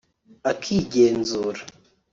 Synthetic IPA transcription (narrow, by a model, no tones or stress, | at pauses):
akʰiɟeːnzuːɾa